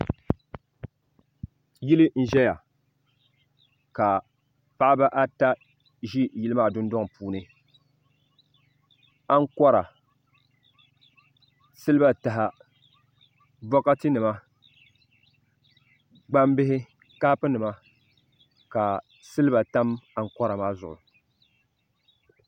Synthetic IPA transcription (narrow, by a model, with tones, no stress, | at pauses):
ji˦lɨ˦n̩˦ʒɛ˦ja˨ | ka˨ | pa˦ʔa˦ba˦ʔa˦ta˦ | ʒi˦ji˦lɨ˦maː˦˨dʊ˦n˦dɔ˦ŋ˨puː˨nɨ˨ | a˦ŋ̩˦kɔ˦ɾa˨ | sɨ˦lɨ˦ba˦ta˨ɦa˨ | bɔ˦ka˦tɨ˦nɨ˨ma˦ | ɡ͡ba˦m˦bɪ˦ɦɪ˦ | kaː˦pɨ˦nɨ˨ma˦ | ka˨ | sɨ˦lɨ˦ba˨ta˦ma˨ŋ̩˦kɔ˦ɾa˨maː˦zʊ̰˨ʔʊ̰˨